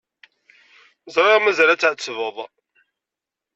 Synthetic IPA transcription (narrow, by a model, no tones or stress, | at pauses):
zɾɾˤɑmæzælæt͡sːaʕt͡sːəvəðˤ